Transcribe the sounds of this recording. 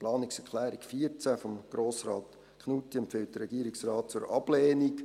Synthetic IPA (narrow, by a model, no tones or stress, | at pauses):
plɑːnɪksɛɾkʰχlɛːɾikfiəɾt͡sæfɔmɡ̥ɾoːsrɑːt̪ | kχnuːtiɛmpfɪlt̚d̥̪əɾɛɡiəɾiksrɑːt̚t͡sʊɾʔɑb̥leːnik